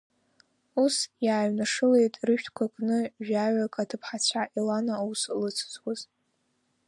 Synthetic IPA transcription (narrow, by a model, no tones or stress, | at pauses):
usjaːɥnaʂɨle̞jtʼrɨʃᶣtʰkʷʰakʼnɨʒᶣaɥakʼatʰɨpʰħat͡ɕʷʰaʔilanauslɨt͡sʰt͡sʰʼwaz